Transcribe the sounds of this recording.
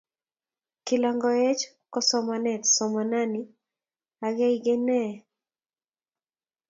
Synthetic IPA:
kɪ˨lɔŋɡɔe˦t͡ʃ | kɔ˦sɔmanɛ˨tsɔmana˦ni | a˨ɡe˦iɡe˦nɛ˦

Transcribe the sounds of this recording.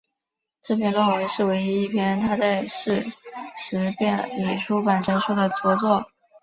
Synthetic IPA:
ʈ͡ʂɤ˥˧pʰjɛ˥˧nlɔ˥˩we˧˥ɪʂɻ̩˥˩we˧˥ɪi˥i˥˩pʰjɛ˥nt̪ʰa˥t͡sa˥˧ɪʂɻ̩˥˩ʂɻ̩˧˥pjɛ˥˩nli˨˩ʈ͡ʂʰu˥pa˨˩nʈ͡ʂa˥ɪʂʰu˥d̪ə˨t͡sɤ˧˥t͡swɔ˥˩

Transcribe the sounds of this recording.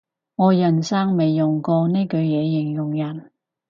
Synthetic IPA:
ŋɔː˨˧jɐ˨˩nsaː˥ŋme˨jːʊ˨˩ŋkɔː˧ne˥jkɵ˨˧ɥjɛː˨˧jɪ˨˩ŋjʊ˨˩ŋjɐ˨˩n

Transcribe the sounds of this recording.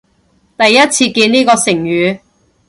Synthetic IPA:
t̪ɐ˨jːɐ˥t̚t͡sʰiː˧kiː˧niː˥kɔː˧sɪ˨˩ŋjyː˨˧

